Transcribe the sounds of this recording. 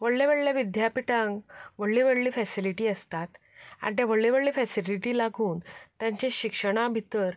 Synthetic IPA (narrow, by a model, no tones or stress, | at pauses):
ʋəɭleʋəɭljaʋid̪ʱjapiʈãŋɡʋəɽliʋəɽliːfɛsiliʈiːəst̪at̪ | a̰ʈjaʋəɭleʋəɭliːfɛsiliʈiːlaɡʱuːnt̪jãɲt͡ɕẽɕikʂəɽ̃abʱit̪əɾ